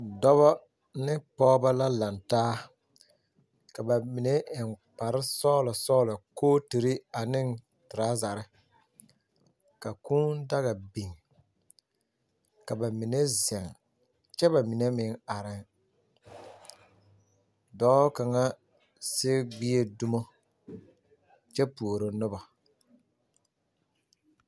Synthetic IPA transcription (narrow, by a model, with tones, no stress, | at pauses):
dɔ˦βɔ˦ | nɪ˦pɔː˦ba˦la˦la˨ntaː˦ | ka˨ba˨mi˨ne˦ʔɪ˨ŋk͡pa˨ɾɪ˦sɔ˦la˨sɔː˦la˨koː˦ti˨ɾi˦a˨nɪ˦ŋ | tɪ˨ɾaː˦za˨ɾɪ˦ | ka˨kuː˦n˦da˦ɣa˨bi˨ŋ | ka˨ba˨mi˨ne˦zɛ˨ŋ | t͡ʃɛ˦ba˨mi˨ne˦mɪ˨ŋa˨ɾɪ˦ŋ | dɔː˨˦ka˨ŋa˦ | sɪ˦ɡ͡bi˦e˦du˦mo˦ | t͡ʃɛ˦pu˨o˨ɾo˨nʊ˦ba˨